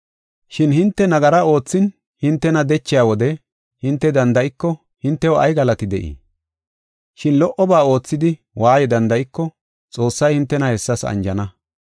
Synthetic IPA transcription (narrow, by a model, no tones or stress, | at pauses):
ʃɪnhɪnt̪ːɛnɐɡɐɾɐo̞ːt͡sːɪn | hɪnt̪ːɛnɐd̪ɛt͡ʃːɪjaːwɔd̪ɛ | hɪnt̪ːɛd̪ɐnd̪ɐʔɪkːɔ | hɪnt̪ːɛwɔʔɐ̰jɡɐlɐt̪ɪd̪ɛʔḭː | ʃɪnlɔʔɔbaːo̞ːt͡sːɪd̪ɪ | waːjɛd̪ɐnd̪ɐɪkːɔ | t͡sʼo̞ːsːɐjhɪnt̪ːɛnɐhɛsːɐsɐ̰nd͡ʒɐnɐ